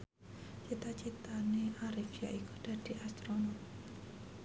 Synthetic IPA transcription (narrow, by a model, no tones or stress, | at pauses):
t͡ʃit̪at͡ʃit̪aneʔaɾifia̰ʔikud̪̥a̤d̪̥i̤ʔast̪ɾonat̪